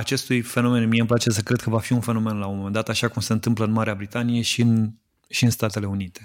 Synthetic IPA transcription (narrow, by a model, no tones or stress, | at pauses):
at͡ʃe̞st̪ujfe̞nome̞nmieɨmplat͡ʃesəkɾe̞d̪̚kəvafiunfe̞nome̞nlaomome̞nd̪at̪aʃakumse̞ɨnt̪ɨmpləɨnmaɾeabɾit̪anije̞ʃiɨn | ʃiɨnst̪at̪e̞le̞unit̪e̞